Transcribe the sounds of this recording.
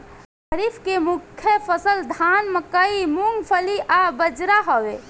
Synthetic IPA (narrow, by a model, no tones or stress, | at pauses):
əɾipʰkemukʰːjəpʰəsəld̪ʱanməkəimuŋɡpʰəliʔabəd͡ʒɾaɦɔʋe